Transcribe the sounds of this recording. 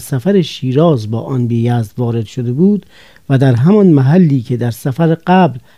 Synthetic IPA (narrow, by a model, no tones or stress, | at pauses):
sæfæɾeʃiːɾɒːzbɒ̰ːʔɒnbijæːzd̪vɒːɾe̞d̪̥ʃod̪ebuːd̪ | væd̪æɾɦæmɒnmæɦælːiːkʰe̞d̪æɾsæfæɾeɢæːbl